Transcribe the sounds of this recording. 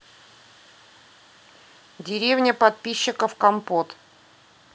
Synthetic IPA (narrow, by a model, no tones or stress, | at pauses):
dʲɪɾʲevnʲəpɐt̪̚pʲiɕːɪkəfkɐmpot̪